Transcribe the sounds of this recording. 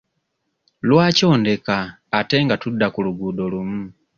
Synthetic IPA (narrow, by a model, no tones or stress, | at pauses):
lwaːco̞ːnde̞kaː | te̞ŋɡatudːakuluɡuːdo̞lumu